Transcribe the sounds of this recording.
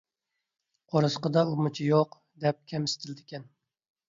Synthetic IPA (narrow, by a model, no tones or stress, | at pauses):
qʰoɾɨsqəd̪ɑumut͡ʃʰijoq | d̪ɛp̚kʲʰɛmɪst̪ʰɪlɪd̪ɪkʲɛn